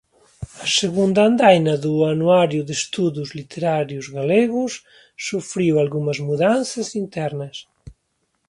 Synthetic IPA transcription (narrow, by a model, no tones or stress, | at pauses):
ɐseɣund̪ɐand̪ajnɐðuanuaɾjʊðest̪uðuzlit̪ʰeɾaɾjuzɣaleɣʊsː | ufɾiwalɣumɐzmuðanθɐsint̪ɛɾnɐs